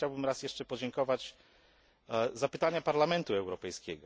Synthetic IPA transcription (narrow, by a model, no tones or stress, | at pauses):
t͡ɕawbɘmɾasjɛʂt͡ʂɛpɔd͡ʑɛŋkɔvat͡ɕ | zapɘt̪aɲapaɾlamɛnt̪uɛwɾɔpɛjskʲɛɡɔ